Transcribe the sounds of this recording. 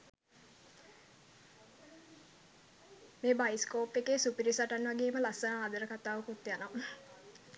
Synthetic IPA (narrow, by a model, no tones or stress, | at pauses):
meːbaiskoːpʋekeːsupiɾisaʈanʋaɡeːməlasənaːd̪əɾəkat̪aːʋukut̪ːjana